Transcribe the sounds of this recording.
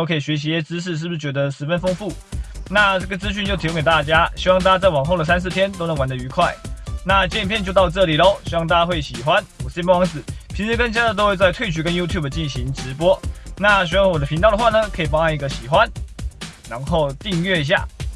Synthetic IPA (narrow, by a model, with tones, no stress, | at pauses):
o˥˩kʰɤ˧˥i˨˩ɕɥɛ˧˥ɕ̬i˧˥jɛ˥˩t͡sɹ̩˥ʂ̬ɻ̩˥˩˧ʂ̬ɻ̩˥˩bu˧ʂ̩˥˩t͡ɕɥɛ˧˥d̪ə˧ʂɻ̩˧˥˩fə˥nfɤ˥ŋfu˥˩na˥˧ʈ͡ʂɤ˥˩ɡə˩t͡sɹ̩˥ɕ̬y˥˧t͡ɕjt̪ʰjo˧˥ke˨˩ɪt̪a˥˩t͡ɕja˥ɕi˥wɑ˥˧ŋt̪a˥a˥t͡sa˥˩ɪwɑ˨˩ŋxo˥˩d̪ə˩sa˥ns̬ɹ̩˥˩t̪ʰjɛ˥nt̪o˥ʊnə˧˥ŋwa˧˥nd̪ə˧˨y˧˥kʰwa˥˩ɪna˥˨t͡ɕjɛ˥˩ni˨˩pʰjɛ˥˧nt͡ɕjo˥˧ʊt̪ɑ˥˧ʊʈ͡ʂɤ˥˩li˨˩lo˧˦ɕi˧˥wɑ˥˧ŋt̪a˥˧˩ja˥we˥˩ɪɕi˨˩xwa˦nwɔ˨˩˥pwɑ˧˥ŋsɹ̩˨˩˦pʰi˧˥nʂ̩˧˥˩kə˥nt͡ɕja˥t̪o˥ʊxwe˥˧ɪt͡sa˥˧ɪt̪ʰwe˥ɪt͡ɕʰy˧˥kə˦nju˥t̪ʰju˥˩bə˩t͡ɕi˥˩nɕi˧˥ŋʈ͡ʂɻ̩˧˦˥pwɔ˥na˥˨ɕɛ˧˥wŋwɔ˨˩d̪ə˩pʰi˧˥nt̪ɑ˥˩d̪ə˧xwa˥˩nə˦kʰə˧˥i˨˩pɑ˥ŋa˥˧˩ŋi˧ɡə˧ɕi˨˩xwa˦n | ɻa˧˥nxo˥˧ʊt̪i˥˧ŋɥɛ˥˧˩i˧˥ɕja̰˥˩